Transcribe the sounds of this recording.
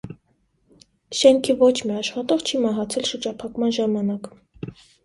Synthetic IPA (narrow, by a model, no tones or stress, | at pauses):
ʃɛŋkʰivɔt͡ʃʰmiɑʃχɑt̪ɔʁt͡ʃʰimɑɦɑt͡sʰɛlʃəɾd͡ʒɑpʰɑkmɑnʒɑmɑnɑk